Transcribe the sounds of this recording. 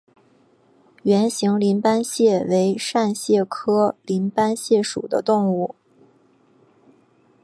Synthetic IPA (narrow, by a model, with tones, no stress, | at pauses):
ɥɛ˧˥nɕi˧˥ŋli˧˥npa˥nɕjɛ˥˩we˧˥ɪʂa˥˧nɕjɛ˥˩kʰɤ˥li˧˥npa˥nɕjɛ˥˩ʂṵ˨˩d̪ə̰˦t̪ʊ˥˧ŋu˥˩